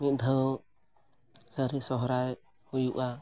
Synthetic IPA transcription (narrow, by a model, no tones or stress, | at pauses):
niʔ̚ˀd̪ʱə | səɾisɔɦɔɾaj | hujuʔa